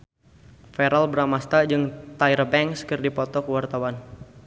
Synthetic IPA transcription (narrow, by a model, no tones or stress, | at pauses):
fɛɾalbəɾamast̪ad͡ʒɨŋt̪aiɾəbɛŋskərdipɔt̪ɔkəwart̪awan